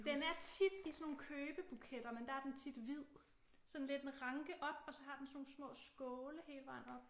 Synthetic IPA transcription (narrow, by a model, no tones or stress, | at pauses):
d̥enæɐt͡sʰid̥isɒnːo̝ːn̩kʰøːb̥əb̥ukʰed̥ɐmend̥ɑ̈æɐd̥ent͡sʰid̥ʋið̰ˠ | sɒ̽n̩le̝d̥enʁɑ̈ŋɡ̥əʔɒ̽b̥ɒ̽sɒ̽ɦɑ̈d̥ensɒno̝ːn̩smɔ̰̽ːsɡ̥ɔːləɦeːləʋɑ̰̈ɐ